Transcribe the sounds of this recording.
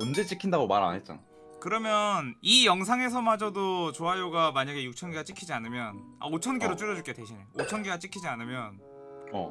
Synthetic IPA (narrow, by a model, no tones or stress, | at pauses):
ʌnd͡ʑe̞t͡ɕ͈ikʰindaɡomaɾa̰nɦet̚t͡ɕ͈a̰na | kɯɾʌmjʌnijʌŋsʰaŋe̞s̬ʰʌmad͡ʑʌdot͡ɕoɦajoɡamaɲaɡe̞juk̚t͡ɕʰʌnɡeɡat͡ɕ͈ikʰid͡ʑianɯmjʌn | a̰ot͡ɕʰʌnɡeɾot͡ɕ͈uɾjʌd͡ʑuɭk͈eteɕʰineot͡ɕʰʌnɡeɡat͡ɕ͈ikʰid͡ʑianɯmjʌn | ʌ̰